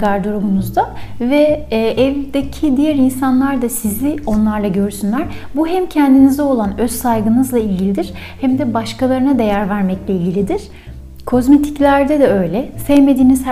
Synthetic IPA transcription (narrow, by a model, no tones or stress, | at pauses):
ɡaɾd̪oɾoɡunuzd̪avɛːʔɛvd̪ecʰid̪ijæɾinsanlˠaɾd̪asizʲɪo̞nlˠaɾlˠaɟø̞ɾsynlʲæɾ̥buɦɛmcʰɛnd̪inizd̪ɛo̞lˠanø̞ssajɡɯnɯzlˠailʲɟilʲid̪iɾ̥ | hæmd̪ɛbaʃkʰalˠaɾɯnad̪e̞jæɾvæɾmɛclʲɛilʲɟilʲid̪iɾ̥ | kʰo̞zmet̪ʰi̥clʲæɾd̪ɛd̪ɛø̞jlʲɛsɛvme̞d̪iːniz̥